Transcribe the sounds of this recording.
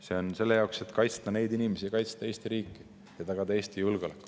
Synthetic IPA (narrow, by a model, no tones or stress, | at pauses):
se̞o̞nse̞lːejɑokse̞t̪ːkɑjt̪st̪ɑne̞jd̪inʲimesijɑkɑjt̪st̪ɑe̞ːst̪iɾiːkːˑi | jɑt̪ɑɡ̥ɑd̪ɑe̞ːst̪ijulɡ̥o̞lekːˑu̥